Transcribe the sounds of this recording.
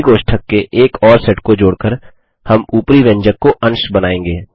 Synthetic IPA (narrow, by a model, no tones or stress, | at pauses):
ɡoːʃʈʰəkːeʔeːkɔːɾsɛʈkod͡ʒoːɽkəɾ | hɐmuːpɾiʋẽɲd͡ʒəkːoʔɐ̃nʃbɐnaːẽːŋɡeː